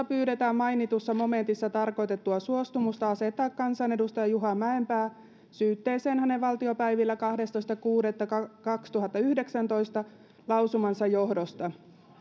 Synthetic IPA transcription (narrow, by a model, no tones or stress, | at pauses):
ɑpyːɾet̪æːmmɑinit̪usːɑmo̞me̞nt̪isːɑt̪ɑrko̞it̪e̞t̪ːuɑsuost̪umust̪ɑɑset̪ːɑːkːɑnsɑnedust̪ɑjɑjuɦɑmæempæː | syːt̪ːeːseːnhæneʋʋɑlt̪iopæiʋilːækɑhdest̪oist̪ɑkuːdet̪ːɑkkɑkst̪uɦɑt̪ːɑyhdeksænt̪o̞ist̪ɑ | lɑwsumɑnsɑjohdost̪ɑ